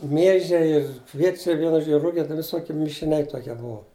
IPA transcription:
ˈmʲiɛʒʲɛɪ ɪr ˈkʋʲiɛt͡ʃʲɛɪ ˈʋʲiɛnʊ ˈʒoːd͡ʒʲɪ ˈrʊɡʲɛ ʋʲɪˈsoːkʲiɛ mʲɪʃʲɪˈnʲɛɪ ˈtoːkʲiɛ ˈbuɔ

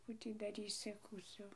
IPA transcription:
ˈkuː tʲiː dɐˈrʲiːsʲɪ kuːˈt͡sʲoː

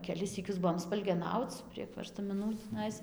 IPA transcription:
kʲɛˈlʲɪs sʲiːˈkʲʊs ˈbʊʋoːm spɐlʲɡʲɛˈnɐʊt͡s pʲrʲiɛk ʋʲɛrstɐmʲɪˈnuː tʲiːˈnɐɪs

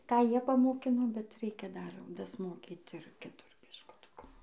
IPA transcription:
ˈkɑː ˈjiɛ pɐmoːˈkʲɪnoː bʲɛt ˈrʲɛɪkʲɛ dɐr dɐsˈmoːkʲiːt ɪr kʲɪˈtʊr bʲɪʃkʊˈtʊkʊ

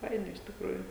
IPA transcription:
ˈfɐɪnɐ ɪʃ tʲɪkˈruːjuː

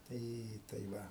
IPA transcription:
ˈtɐɪ tɐɪ ˈʋɐ

